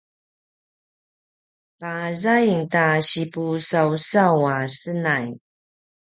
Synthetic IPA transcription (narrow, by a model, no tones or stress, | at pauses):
pazajŋtaɕipusawsawasənaj